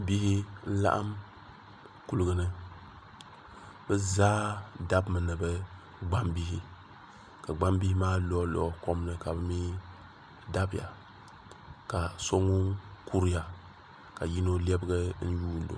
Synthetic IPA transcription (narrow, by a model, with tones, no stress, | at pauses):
bi˦hi˦n̩˦la̰˦ʔa̰˦m | ku˨lɨ˨ɡɨ˨nɨ˦ | bɨ˦zaː˦da˦bmɨ˨nɨ˨bɨ˦ | ɡ͡ba˦mbi˦hi˦ | ka˨ɡ͡ba˦mbi˦hi˦maː˦lɔ˦lɔ̰˨ko˦m˦nɨ˦ka˨bɨ˦mi˦ | da˦bɪ˨ja̰˨ | ka˨so˦ŋu˦ku˦ɾja˨ | ka˨ji˦no˦lɛ˦bɨ˦ɡɨ˦n̩˦juː˦n˦do̰˨